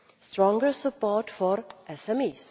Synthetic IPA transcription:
sʈɾɔ̃ŋɡəsəpɔːʈfɔɾʔɛsɛmis

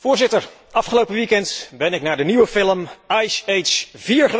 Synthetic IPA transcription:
vʊːɹzɪtəɹ | ɑfχəlowpəʋikɛntbɛnɪknaːɹdəniʋəfɪləmɛjsejtsv̥iːɹχəʋ

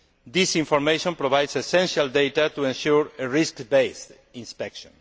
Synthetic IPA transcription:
d̪isĩɱfoɾmejʃõmpɾoβajd̪sesɛ̃nʃald̪ejt̪at̪uẽnʃuɾeɹiskbejst̪ | ĩnspɛkʃõ̰n

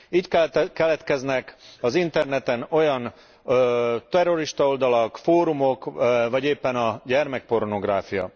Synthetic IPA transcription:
iːckkɛlɛt̪kɛznɛkɒzint̪ɛrnɛt̪ɛno̞jɒn | t̪ɛrːo̞ɾiʃt̪ɒo̞ld̪ɒlɒkfoːɾumo̞kvɒɟeːpːɛnɒɟɛrmɛk̚po̞rno̞ɡraːfijɒ̰

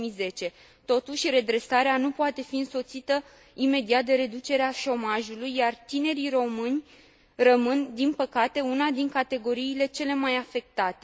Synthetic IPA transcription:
ize̞t͡ʃe̞ | t̪o̞t̪uʃʲre̞d̪ɾe̞saɾeanupoat̪e̞fiɨnso̞t̪sit̪ə | ime̞d̪iat̪̚d̪e̞ɾe̞d̪ut͡ʃe̞ɾeaʃo̞maʒulujːart̪ine̞ɾiro̞mɨnʲ | rəmɨnd̪inpəkat̪e̞unad̪iŋkat̪e̞ɡo̞ɾiːle̞t͡ʃe̞le̞majafe̞k̚t̪at̪e

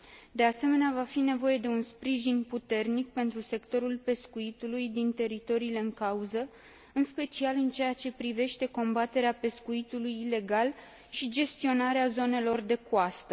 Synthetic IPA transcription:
d̪e̞ase̞me̞neavafine̞vo̞je̞d̪e̞unspɾiʒinput̪e̞rnik̚pe̞nt̪ɾuse̞kt̪o̞ɾulpe̞skuit̪ulujd̪int̪e̞ɾit̪o̞ɾiːle̞ɨŋkauzə | ɨnspe̞t͡ʃialɨnt͡ʃe̞jat͡ʃe̞pɾive̞ʃt̪e̞ko̞mbat̪e̞ɾeape̞skuit̪ulujːle̞ɡal | ʃid͡ʒe̞st̪io̞naɾeazo̞ne̞lo̞rd̪e̞kuast̪ə

